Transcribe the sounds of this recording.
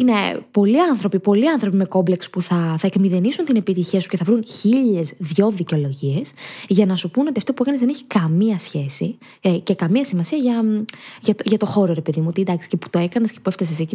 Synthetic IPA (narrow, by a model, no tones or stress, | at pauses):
ine̞po̞liɐnθɾo̞pipo̞liɐnθɾo̞pime̞ko̞mble̞kspuθɐθɐekmiðe̞nisunt̪ine̞pit̪içiɐsu̥ce̞θɐvɾunçiʎe̞zðʝo̞ðiceo̞lo̞ʝie̞sʝɐnɐsupunot̪iɐft̪o̞pue̞kɐnezðeçi̥kɐmiɐsçe̞si | ce̞kɐmiɐsimɐsiɐʝɐʝɐt̪oʝɐt̪o̞xo̞ɾoɾe̞pe̞ðimuo̞t̪ied̪ɐksi̥cepu̥t̪o̞e̞kɐnescepue̞ft̪ɐsesei